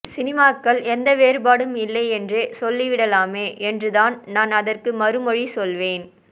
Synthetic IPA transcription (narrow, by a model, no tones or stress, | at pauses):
sɪnɪmaːkːɐɭɛnd̪ɐʋeːɾɯbaːɽɯmɪlːɐɪɛndresɔlːiʋɪɽɐlaːmeːʔɛndrɯðaːnnaːnɐðɐrkɯmɐɾɯmɔɻisɔlʋeːn